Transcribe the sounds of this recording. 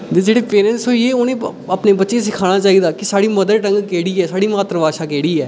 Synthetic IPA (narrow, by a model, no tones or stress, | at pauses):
d̪ed͡ʒeːɽeːpeːnɛ̃ːnsoːjeːʊnẽːəpneːbətːʃeːsɪkʰaːñãːt͡ʃaːiːd̪aːkɪsaːɽiːməd̪əɾʈə̃ŋɡkeːɽiːɛːsaːɽiːmaːt̪ɾəʋaːʃaːkeːɽiːɛː